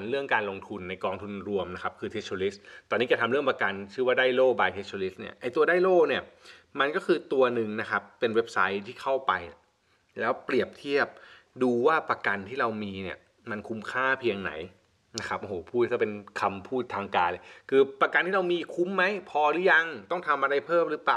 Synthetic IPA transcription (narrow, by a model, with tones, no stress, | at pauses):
nɾɯ˥˩əŋkaː˧nlo˧ŋt̪ʰu˧nːa˧jkɔː˧ŋt̪ʰu˧nɾu˧əmna˦˥kʰa˦˥p̚kʰɯː˧t̪ʰe˦˥tʰoː˧li˦˥st̪ɔː˧nːiː˦˥t͡ɕa˧t̪ʰa˧mɾɯ˥˩əŋpa˧ka˧nt͡ɕʰɯː˥˩waː˥˩daː˥˩jloː˥˩baː˧jt̪ʰe˦˥tʰoː˧li˦˥s̚ni˥˩ɐʔa˧jt̪u˧ɐdaː˥˩jloː˥˩ni˥˩ɐ | ma˧nkɔː˥˩kʰɯː˧t̪u˧ɐnɯ˨˩ŋna˦˥kʰa˦˥pːe˧nwe˦˥p̚sa̰˦˥jt̪ʰiː˥˩kʰa˥˩wpa˧j | lɛː˦˥wpɾi˨˩əp̚t̪ʰi˥˩əp̚duː˧waː˥˩pa˧ka˧nt̪ʰiː˥˩ɾa˧wmiː˧ni˥˩ | ma˧nkʰu˧˦˥mkʰaː˥˩pʰi˧əŋna̰˩˦j | na˦˥kʰa˦˥p̚ʔhoː˨˦pʰuː˥˩t̪̚kɔː˥˩pe˧nkʰa˧mpʰuː˥˩t̪ʰːaː˧ŋkaː˧nlkʰɯː˧pa˧ka˧nt̪ʰiː˥˩ɾa˧wmiː˧kʰu˦˥mːa˦˥jpʰɔː˧ɾɯː˦˥ja˧ŋt̪ɔ˥˩ŋt̪ʰa˧mʔa˧ɾa˧jpʰɤː˥˩mɾɯː˦˥plaː˨˩w